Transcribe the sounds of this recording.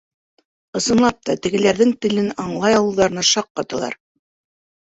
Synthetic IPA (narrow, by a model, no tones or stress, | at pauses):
ɤ̆sɤ̆nlˠɑp̚t̪ɑt̪ɘ̆ɡɘ̆læɾðɘŋt̪ɘ̆lɘnɑɴlˠɑjɑwɤ̆lˠːɑɾɤ̆nɑʃɑqːɑt̪ɤ̆lˠɑ̰ɾ